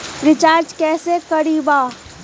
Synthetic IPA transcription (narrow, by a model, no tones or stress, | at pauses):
ɾɪt͡ʃaːɾd͡ʒkɛːsekɐɽiːbaː